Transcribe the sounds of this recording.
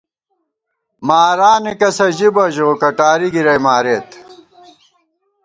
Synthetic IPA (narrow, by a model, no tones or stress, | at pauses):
maːɾaːnikɐsɐʑibɐʑoːkɐʈaːɾiɡiɾɐjmaːɾeːt̪